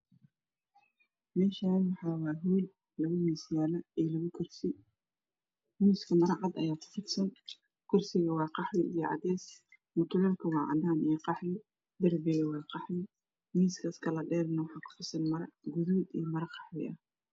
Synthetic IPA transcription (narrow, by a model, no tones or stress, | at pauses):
mɛːʃaːnwɑħɑːwɑːɦuːd̪ | lɐɣʊmiːsjaːlɐɛːlɐɣʊkʰʊrsɪ | miːskʰɐmɐɾɑʕɑd̪ɐjaːkʰʊ̥fɪtsɐn | kʰʊrsɪɣɐwɑːqɑħlɪʔijɐʕɑ̰d̪ɛːs | mʊt̪ʰʊlɛlkʰɐwɑːʕɑ̰d̪aːnijqɑħlɪ | d̪ɐrbɪɣɐwɑːqɑħmɪ | miːskʰɐskʰɐlɐɖɛːɾnɐwɑħɑːkʰʊ̥fɪsɐnmɐɾɐ̰ɡʊðuːd̪iːmɐɾɐqɑħlɪ̰ʔɐh